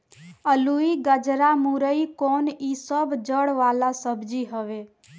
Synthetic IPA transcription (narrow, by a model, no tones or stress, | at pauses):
əluiɡəd͡ʒɾamuɾəikonisəbd͡ʒəɽʋalasəbd͡ʒiɦəʋe